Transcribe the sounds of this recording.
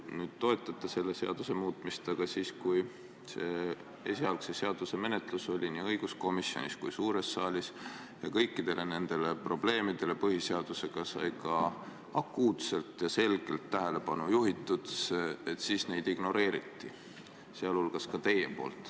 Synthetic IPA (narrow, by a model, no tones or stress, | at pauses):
nyːd̪̥̚t̪o̞e̞t̪ːˑɑt̪ːˑese̞lːe̞se̞ɑd̪̥use̞muːt̪ˑmist̪ɑɡ̥ɑsiːskuj | se̞ | esiɑlksese̞ɑd̪̥use̞me̞net̪luso̞lʲiniːɤjɡ̥usko̞misːjo̞̰niskujsuːɾe̞sːɑːlʲis | jɑkɤ̞jkˑːid̪̥e̞lʔe̞ne̞nd̪̥e̞le̞pro̞b̥le̞ːmid̪̥e̞le̞pɤhise̞ɑd̪̥use̞ɡ̥ɑsɑ̰jkɑ | ɑkːˑuːt̪se̞lt̪ːˑjɑse̞lɡ̥e̞lt̪ːæɦele̞pɑnujuɦit̪ːˑud̪̥seet̪ːˑsiːsne̞jd̪iɡ̥no̞ɾe̞ːɾit̪ːi | seɑlulɡ̥ɑskɑt̪e̞je̞po̞̰ːlt̪ːˑ